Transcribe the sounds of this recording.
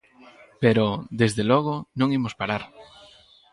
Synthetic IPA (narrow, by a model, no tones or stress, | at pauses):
peɾod̪ezðelɔɣ̞ʊnõŋimospaɾaɾ